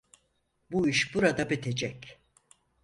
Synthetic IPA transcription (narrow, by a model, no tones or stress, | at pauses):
buiʃbuɾad̪abet̪ʰe̞d͡ʒɛc